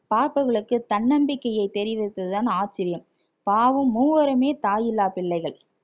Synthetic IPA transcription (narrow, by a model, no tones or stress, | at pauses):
paːɾpɯɣɐɭɯkːɯt̪ːɐɳːɐmbɪkːɐjɐɪt̪ːɛɾɪʋɪt̪ːɐðɯt̪aːnaːt͡ʃːɪɾɪjɐm | paːʋɯmːuːʋɐɾɯmeːt̪aːjɪlːaːpɪɭːɐɪɣɐɭ